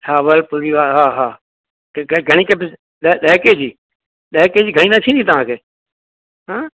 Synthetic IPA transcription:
saːʋəlpuʋiːʋaːɦaːɦaː | keɡʱəɽ̃iːkəbɪs | ɗɗɛːkeːd͡ʒiː | ɗəːkeːd͡ʒiːɡʱənĩːnãːt͡ʃʰĩːnd̪iːt̪əʋãːkʰeː | ɦãː

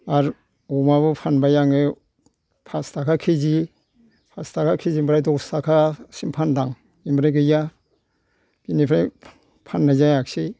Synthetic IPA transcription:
aɾ | ɔmaβɯpʰanbajaŋɯ | pʰastʰakʰakʰizi | pʰastʰakʰakʰizimbɾajdɔksakʰasimpʰandaŋ | imbɾajɡɯja | ɡ̥inipʰɾaj | pʰanːazajak̚se

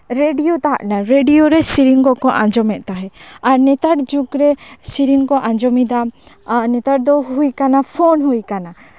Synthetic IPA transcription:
ɾeɖijot̪aɦa̰ʔnaɾeɖijoɾɛsiɾiŋkɔkɔʔã̰ɲd͡ʒɔmɛʔ̪̚t̪aɦɛaɾnɛt̪aʈd͡ʒukɾɛsiɾiŋkɔʔãd͡ʒɔmid̪a | nɛt̪aʈ̚d̪ɔɦujkanapʰɔnɦujkana

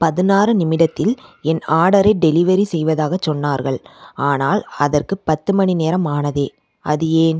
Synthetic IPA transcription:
pɐðɯnaːrɯnɪmɪɽɐt̪ːɪlɛnaːɽɐɾɐɪɖɛlɪʋɐɾisɛjʋɐðaːɣɐt͡ʃːɔnːaːɾɣɐɭaːnaːlɐðɐrkɯpɐt̪ːɯmɐɳineːɾɐmaːnɐðeː | ʔɐðɯeːn

